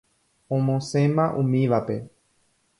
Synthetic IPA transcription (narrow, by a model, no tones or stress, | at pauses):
õmõsẽ̞mãʔũmĩʋape̞